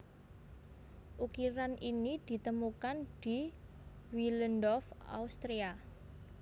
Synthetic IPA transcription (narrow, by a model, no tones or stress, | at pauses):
ʔukiɾanʔinid̪̥i̤t̪əmukand̪̥i̤ | wilənd̪ɔfa̰ust̪ɾia